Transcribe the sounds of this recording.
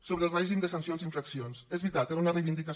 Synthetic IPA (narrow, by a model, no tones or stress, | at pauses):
soβɾəːlˠreʒimd̪əsənsionziɱfɾəksionsezβit̪at̪eunərejβind̪ikə